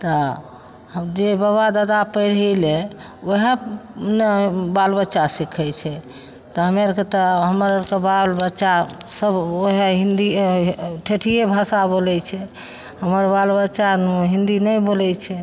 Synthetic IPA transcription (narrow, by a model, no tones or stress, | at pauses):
t̪ɔ | əd͡ʒebəwad̪ad̪apəɪɾəle | oɦenbalbətːʃasikʰɛt͡ʃʰɛ | t̪ɔɦəmeɾket̪ɔɦəməɾəɾkebalbətːʃasəboɦeɦind̪i | ʈʰeʈʰijebʱasabolɛt͡ʃʰɛ | həməɾbalbət͡ʃaɦĩnd̪inɛbolɛt͡ʃʰɛ